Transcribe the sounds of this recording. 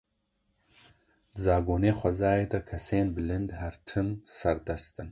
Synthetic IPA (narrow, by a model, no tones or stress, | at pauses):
ɨzaːɡoːneːχʷɐzaːjed̪ɐkʰɐseːnbɨlɨnd̪hɐɾt̪ʰɨnsɐɾd̪ɐst̪ɨn